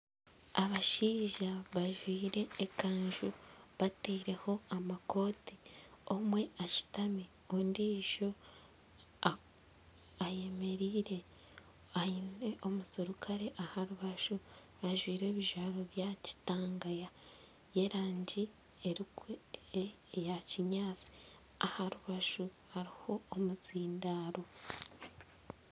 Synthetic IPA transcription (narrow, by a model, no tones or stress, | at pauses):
aβaʃiːʒaβaʒwiːɾe̞ːkaːɲʒuβateiɾe̞ho̞amako̞ːtiomwe̞aci̥tami | ondiʃo̞ | aje̞me̞ɾiːɾe̞ | aine̞ʔo̞musuɾukʰaɾe̞ʔahaɾuβaʃu | aʒwiːɾe̞ːβiʒaːɾo̞βjaci̥taːŋɡaja | je̞ɾaːɲɟi | eɾikwe | jaciɲaːt͡si̥ | ahaɾuβaʃuhaɾiho̞ːmut͡siːndaːɾo̞